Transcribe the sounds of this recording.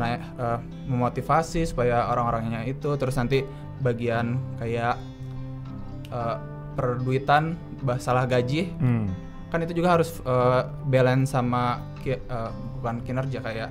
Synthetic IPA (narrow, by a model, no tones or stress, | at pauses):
naɪk | əː | məmot̪ifasisu̥pajaoɾaŋoɾaŋɲait̪ut̪əɾʊsnant̪i | baɡiankajaʔ | ʔəː | pərduit̪an | bahsalahɡad͡ʒɪh | kanit̪ud͡ʒuɡaɦaɾʊsə | belɛnsama | kəbukankinərd͡ʒiakajaʔ